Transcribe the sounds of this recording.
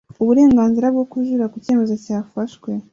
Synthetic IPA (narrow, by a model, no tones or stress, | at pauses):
uβuɾe̞ːŋɡaːnziɾab̚ɡo̞kuʒuɾakuce̞ːme̞zocaːfaʃwe̞